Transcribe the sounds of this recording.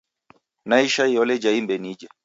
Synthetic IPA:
naiʃaiɔlɛd͡ʒaimbɛnid͡ʒa

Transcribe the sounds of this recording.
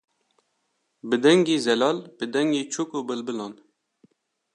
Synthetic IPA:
bɨd̪ɛŋɡiːzɛlɑːlb̥ɨd̪ɛŋɡiːt͡ʃʰukuːbɨlbɨlɑːn

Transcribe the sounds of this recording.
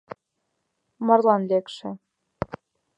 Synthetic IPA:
mɤ̆rlˠɑnlʲekʃĕ

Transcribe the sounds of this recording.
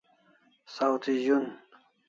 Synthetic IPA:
sawt̪ʰiʑun

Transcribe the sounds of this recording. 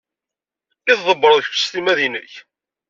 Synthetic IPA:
iθðˤəbːəɾðˤəçfə̥st̪imæðinə̰ç

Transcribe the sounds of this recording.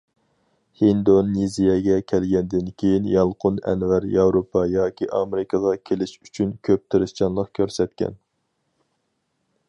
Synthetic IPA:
hind̪onizijɛɡʲɛkʲʰælɡʲɛnd̪ɪnkʲʰejinjɑlˠqʰʊnɛ̰nvæɾjɑwɾopʰːɑjɑːkʲʰiʔɑmeɾɪkʰɑʁɑkʲʰelɪʃyt͡ʃʰynkʲʰøp̚t̪ʰɪɾɪʃt͡ʃɑnlˠəqkʲʰøɾsɛt̪kʲʰɛ̰n

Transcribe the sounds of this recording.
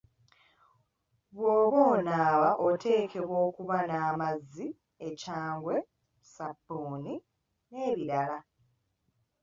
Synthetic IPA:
βwoːβoːnaːβaʔo̞tʰe̞ːkʰe̞βwo̞ːkuβanaːmazːi | ecaːŋɡwe̞ | sabːoːni | ne̞ːβiɾala

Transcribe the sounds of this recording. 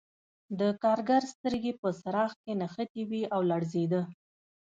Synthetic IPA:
d̪əkɑɾɡaɾst̪əɾɡepəsaɾɑx̚kenaxət̪iwiawlaɽzed̪ə

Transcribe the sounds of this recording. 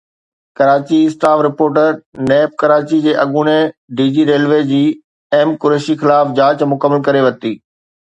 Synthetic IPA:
kɐɾaːt͡ɕisʈaːfɾɪpoːɾʈəɾneːp̚kɐɾaːt͡ɕid͡ʑeːʔɐɠuːneɖiːd͡ʑiːɾeːlʋeːd͡ʑiː | eːmkʊɾeːʃixɪlaːfd͡ʑaːt͡ɕmʊkəmːəlkɐɾeʋɐt̪iː

